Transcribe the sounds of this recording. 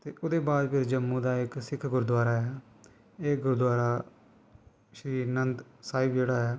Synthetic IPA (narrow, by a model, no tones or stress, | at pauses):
t̪eːʔʊd̪eːbaːd̪pʰɪɾd͡ʒəmːũːd̪aːɪksɪkʰɡʊɾd̪waːɾaːɛː | eːɡʊɾd̪waːɾaː | ʃɾiːnənd̪saːɪbd͡ʒeːɽaːɦɛː